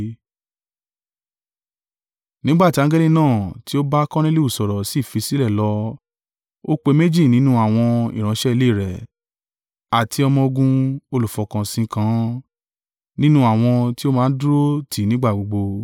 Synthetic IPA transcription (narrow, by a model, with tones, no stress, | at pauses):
nĩ˦ɡ͡ba˦˨ti˦a˧˦ɡɛ˦li˦nãː˦˨ti˨˦o˦ba˦kɔ̃˦ñẽ˦li˦u˦˨sɔ˨ɾɔ˨si˦˨fi˨˧si˦lɛ˦˨lɔ˧ | o˦k͡pe˧me˦d͡ʒi˦˨nĩ˨˦nũ˦a˦˨w̃ɔ̃˧ḭ˨ɾ̃ã˨˧˦ʃɛ˦i˧le˦˨ɾɛ˨ | a˨ti˧ɔ˧mɔ̃˧ɡũ˧o˧lu˨fɔ˧kã˧sĩ˧kã˧˦ | nĩ˦nũ˦a˦˨w̃ɔ̃˧ti˦o˦mãː˦˧n̩˦dɾo˦tʰi˨nĩ˨˦ɡ͡ba˦˨ɡ͡bo˧ɡ͡bo˧